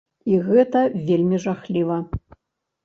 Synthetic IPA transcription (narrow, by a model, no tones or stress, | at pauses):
iɣɛt̪ɐvʲelʲmʲiʐaxlʲivɐ